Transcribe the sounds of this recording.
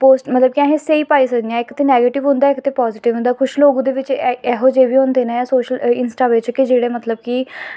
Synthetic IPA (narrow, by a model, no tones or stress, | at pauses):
poːsmət̪ləb̚kɪãɦẽːseiːpaːiːsəkd̪ijãːɪkt̪eːnɛːɡeːʈɪʋɦʊ̃nd̪aːɪkt̪eːpɔːzɪʈɪʋɦʊ̃nd̪aːkʰʊʃloːɡũːd̪eːʋɪt͡ʃɛːɦoːd͡ʒeːʋiːõːnd̪eːnɛ̃ːsoːʃəlɪnsʈaːʋeːt͡ʃkɪd͡ʒeːɽeːmət̪ləb̚kiː